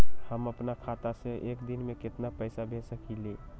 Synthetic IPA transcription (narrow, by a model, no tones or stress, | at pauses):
həməpnakʰat̪asẽʔekd̪inmeket̪napəjsabʱesəkʰile